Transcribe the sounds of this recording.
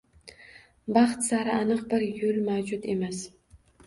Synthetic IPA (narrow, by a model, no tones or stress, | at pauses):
bɑχt̪saɾɪanɨqbɪɾjʊlmawd͡ʒʊt̪e̞mas